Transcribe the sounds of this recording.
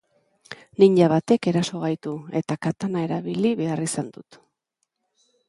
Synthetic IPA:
niɲʎaβat̪e̞ke̞ɾaso̞ɣ̞ajt̪ue̞t̪akat̪anae̞ɾaβiliβe̞arisand̪ut̪

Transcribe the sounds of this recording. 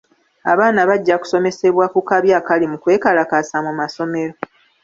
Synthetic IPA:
a̰βaːnaβaɟːaku̥so̞me̞se̞βwakukaβjaːkalimukwe̞ːkalakasamumaso̞me̞ɾo

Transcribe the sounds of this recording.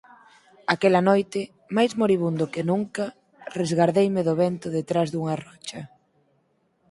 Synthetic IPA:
akɛlɐnojt̪ɪ | majzmoɾiβ̞und̪ʊkɪnuŋkɐ | rezɣaɾðejmɪðʊβɛnt̪ʊðet̪ɾazðuŋɐrɔt͡ʃɐ

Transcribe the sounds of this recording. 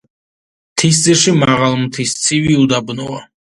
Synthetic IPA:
t̪ʰis̬d̪ziɾʃimaʁalˠmt̪ʰist̪sʰiviud̪abnɔa

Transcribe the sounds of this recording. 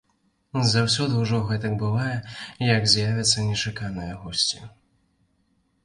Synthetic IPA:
zawsʲɔd̪ɨwʐɔɣɛt̪ɐɡ̚bɨvajɛjɐɡzʲjavʲɐt̪sːɐnʲɛt͡ʂakanɐjɐɣɔsʲt͡sʲi

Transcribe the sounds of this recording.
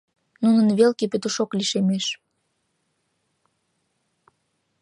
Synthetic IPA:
nunənβelkepøt̪əʃokliʃemeʃ

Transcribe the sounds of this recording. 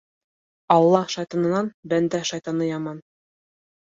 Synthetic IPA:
ɑlˠːɑʃɑjt̪ɑnɤ̆nɑnbænd̪æʃɑjt̪ɑnɤjɑmɑn

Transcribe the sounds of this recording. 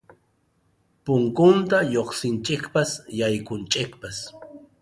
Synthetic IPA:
pʊŋkʊnt̪ajoχsɪnt͡ʃʼɪkpasjajkʊnt͡ʃʼɪkpas

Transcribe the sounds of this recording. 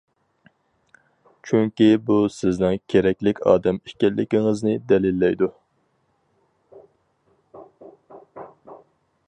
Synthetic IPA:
t͡ʃʰyŋkʲibusɪznɪnkʲʰeɾɛkʲlɪkʲɑ̰ːd̪ɛmi̥ʃkʲɛlːɪkʲiŋɨznɪd̪ɛlilːɛjd̪u

